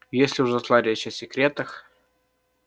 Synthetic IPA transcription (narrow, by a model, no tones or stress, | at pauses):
jesʲlʲɪʊʐzɐslˠaɾʲɛɕɪsʲɪkɾʲet̪əx